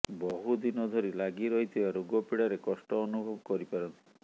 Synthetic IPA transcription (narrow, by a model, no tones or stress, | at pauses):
bɔɦud̪inɔd̪ʱɔɾilaɡiɾɔɦit̪ʰibaɾuɡɔpiɽaɾekɔsʈɔːnubʱɔbɔkɔɾipaɾɔnt̪i